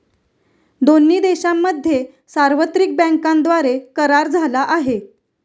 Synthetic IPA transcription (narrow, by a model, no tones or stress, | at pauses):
d̪onːiːd̪eɕamːəd̪ʱːje | saɾʋət̪ɾik̚bə̃ŋkand̪ʋaɾekəɾaɾd͡zʱalaʔaɦe